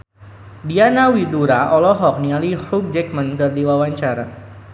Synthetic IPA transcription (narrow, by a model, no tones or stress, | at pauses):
dianawiduɾaʔɔlɔɦɔk̚nialiruk̚d͡ʒɛk̚mənkɨrdiwawaɲt͡ʃaɾa